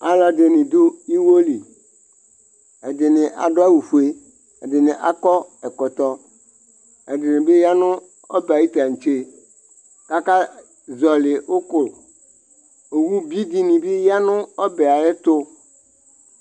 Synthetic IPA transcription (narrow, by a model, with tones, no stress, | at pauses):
a˨la˨de˨nɪ̃˨d̪o˦i˦wo˦li˨ | e˨dɪ˨nɪ̃˨ʔa̰˨ɖo˦a˦wu˨ɸu˨e˦ | e˨dɪ˨nɪ̃˨ʔa˨kɔ˦ɛ˨kɔ˨t̪ɔ˦ | e˨dɪ˨nɪ̃˨be˦ja˦nʊ̃˦ | ɔ̰˦ba˨ji˦t̪a˨ŋ̩˨t͡ʃe˦ | ka˦ka˦ | zɔ˨lɪ˨o˦ko˨ | e˨wu˦bi˦d̪i˦nĩ˨be˦ja˦nʊ̃˦ɔ˦bɛ˨a˨jɛ˦t̪o˦